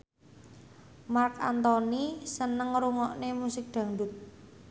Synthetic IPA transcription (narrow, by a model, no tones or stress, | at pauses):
marka̰nt̪ɔnisənəŋɾuŋɔʔnemusɪk̚d̪̥ä̤ŋɖʊt̪̚